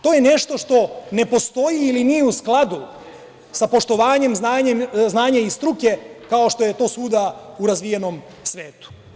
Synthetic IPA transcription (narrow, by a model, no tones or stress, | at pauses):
t̪o̞ːjene̞ʃt̪o̞ʃt̪o̞ne̞po̞st̪o̞jiːlinijeusklˠad̪u | sapo̞ʃt̪o̞ʋaːɲe̞mznaːɲemznaːɲaist̪ɾuke̞kao̞ʃt̪o̞je̞t̪o̞ːsuːd̪auɾazʋije̞no̞m | sʋe̞ːt̪u̥